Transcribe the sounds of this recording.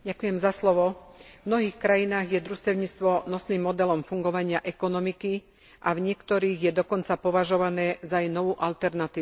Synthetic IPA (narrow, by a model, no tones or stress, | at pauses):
ɟakujɛmzaslɔʋɔvmnɔɦiːxkɾajinaːɣjɛd̪ɾust̪ɛʊɲit͡st̪ʋɔnɔsnimːɔd̪ɛlɔmfuŋɡɔʋaɲɪaʔɛkɔnɔmiki | ʔavɲɪɛkt̪ɔɾiːɣjɛd̪ɔkɔnt͡sapɔʋaʒɔʋanɛːzajnɔʋuːʔalt̪ɛɾnat̪iː